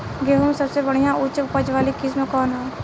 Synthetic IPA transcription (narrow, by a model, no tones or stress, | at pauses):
ɡeːɦumsɐbsebəɽ̤ijãʔʊt͡ʃpəd͡ʒʋaːlikɪs̬məkɔːnɦɛː